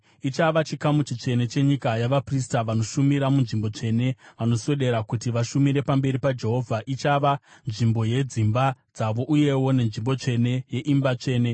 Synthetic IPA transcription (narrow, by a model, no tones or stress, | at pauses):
it͡ʃaʋat͡ʃikamut͡ʃit͡ʂe̞ne̞t͡ʃe̞ɲikajaʋapris̬taʋano̞ʃumiɾamunʐimbo̞t͡ʂe̞ne̞ʋano̞so̞ɗe̞ɾakutiʋaʃumiɾe̞pambe̞ɾipad͡ʒe̞ɦo̞vʱaʔit͡ʃaʋanʐimbo̞je̞d͡zimbad͡zaʋo̞ʔuje̞wo̞ne̞nʐimbo̞t͡ʂe̞ne̞je̞ʔimbat͡ʂe̞ːne̞